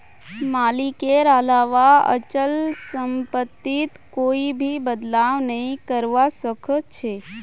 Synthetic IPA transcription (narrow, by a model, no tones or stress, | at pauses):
maːlikeɾalaːʋaə̰t͡ʃəlsəmpət̪ːit̪koːibʱibəd̪laːʋnəɦĩkəɾʋasəkʰət̪̚t͡ʃʰe